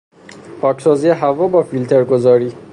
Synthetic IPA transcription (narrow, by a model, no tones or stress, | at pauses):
pʰɒːcʰsɒːzijeɦævɒːbɒːfilt̪ʰeɾɡozɒːɾiː